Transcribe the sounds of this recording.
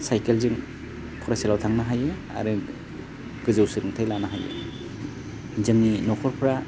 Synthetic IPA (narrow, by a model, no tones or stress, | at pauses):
sajkelzɯŋ | pʰɔɾaselawtʰaŋnaɦajɯ | a̰ɾɯ | ɡ̥ɯzɯwsɯɾɯŋtʰajlanaɦajɯ̰ | zɯŋninɔkʰɔɾpʰɾa